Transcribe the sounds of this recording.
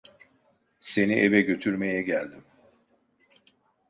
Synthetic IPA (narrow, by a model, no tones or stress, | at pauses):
se̞niʔevɛɟø̞t̪ʰyɾme̞jɛɟælʲd̪im